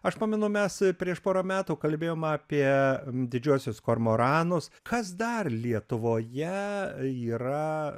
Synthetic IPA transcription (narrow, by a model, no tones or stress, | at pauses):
ɐʃpɑːmʲɪnʊmʲɛspʲɾʲiɛʃpoːɾoːmʲæːt̪uːkɐlʲbʲeːjoːmɑːpʲiɛd̪ʲɪd͡ʒʲuɔsʲʊskoːɾmoːɾɑːnʊskʰɐsd̪ɐrlʲiɛt̪ʊʋoːjɛiːɾɐ